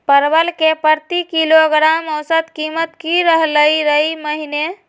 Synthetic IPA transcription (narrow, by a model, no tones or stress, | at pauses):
pəɾbəlkepəɾt̪ikiloɡɾamɔwsət̪kimət̪kiɾəɦləjɾəjməɦine